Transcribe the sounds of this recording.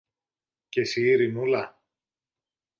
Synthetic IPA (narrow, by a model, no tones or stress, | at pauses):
cesiːɾinulɐ